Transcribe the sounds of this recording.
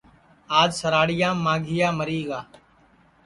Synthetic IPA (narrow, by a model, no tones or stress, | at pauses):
aːd͡ʒsəɾaːɽɪjãːmaːɡʱɪjaːməɾiːɡaː